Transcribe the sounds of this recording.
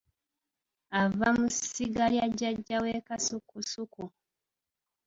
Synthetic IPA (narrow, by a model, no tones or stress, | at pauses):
avamusiɡaljaɟːaɟːaweːkasukusuku